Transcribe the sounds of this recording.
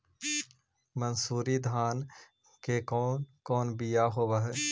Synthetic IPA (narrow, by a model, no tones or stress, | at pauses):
mɐnsuːɾid̪ʱaːn | kekɔːnkɔːnbijaɦoːwaɦɛ